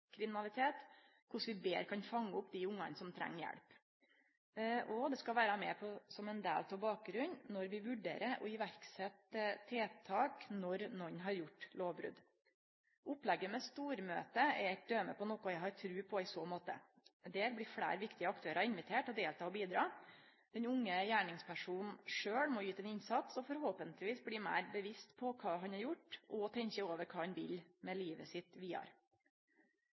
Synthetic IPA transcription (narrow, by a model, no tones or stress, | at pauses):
kʰɾɪmɪnɑlɪt̪ʰeːt̪ | kʰʊʂʋɪbeːɾkʰɑnfɑŋːəʊpd̪ɪʊŋːɑ̰nsɔmt̪ʰɾɛ̰ŋːjɛ̰ɽp | ɔd̪ɛskɑlʋæːɾɑmɛ̰pʰɔsɔmɛnd̪ḛːlt̪ʰɔbɑːk̚ɡɾʉnnɔɾʋɪʋʉɖḛːɾəʔɔɪʋæɾksɛt̪ət̪ʰːeːt̪ʰɑːknɔɾnɔɲːɦɑɾjʊʈːloːʋbɾʉ̰d̪ | ʔʊplɛɡːəmɛst̪uːɾmø̰ːt̪əɛd̪øːməpʰɔnɔːkʊjæɪhɑɾt̪ʰɾʉːpʰɔɪsoːmoːt̪ə̰ | d̪æːɾblɪfɽæ̰ːɾʋɪkt̪ɪəɑkt̪ʰøːɾɑɪnʋɪt̪ʰeːʈɔd̪eːlt̪ʰɑːɔbiːd̪ɾɑ̰ː | d̪̥ɛɲʊŋːəjæːɳɪŋspʰæʂuːnn̩ʂøːɽmɔjyːt̪ɛnɪɲsɑt̪sɔfɔɾhoːpənt̪lɪʋiːsbɽiːmæ̰ːɾbəʋɪst̪pʰɔkʰɑːɦɑnɑɾjʊʈːɔt̪ʰɛɲkəoːʋəɾkʰɑːɑnʋɪlmɛliːʋəsɪt̪ʋiːɑ̰ɾ